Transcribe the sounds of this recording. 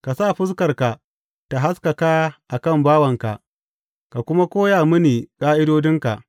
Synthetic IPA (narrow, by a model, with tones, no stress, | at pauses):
ka˨saː˦˨ɸɪ˦skɐ˨rka˨ | ta˨ɦa˦ska˨kaː˦ʔa˨kɐ˦˨mbaː˦wɐ˨ŋka̰˨ʔ | ka˨kʷʊ˦ma˦kʷoː˦jaː˨mɪ˦niː˨kʼaː˦ʔɪ˦doː˦dɪ˦ŋka̰˨ʔ